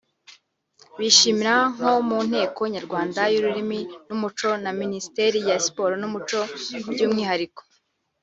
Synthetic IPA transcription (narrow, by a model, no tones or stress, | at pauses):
βiʃiːmiɾaŋ̥ho̞mun̥he̞ːko̞ɲaɾɡwaːndajuɾuɾiminumut͡ʃo̞naminisi̥teɾijasi̥po̞ɾonumut͡ʃo̞bɟuːmŋiːhaɾiko̥